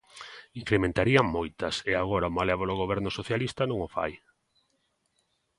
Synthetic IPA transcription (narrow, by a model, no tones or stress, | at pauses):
iŋkɾemẽnt̪aɾiɐŋmojt̪ɐseaɣoɾamalɛβoloɣ̞oβ̞ɛɾnosoθjalist̪ɐnõŋofa̰j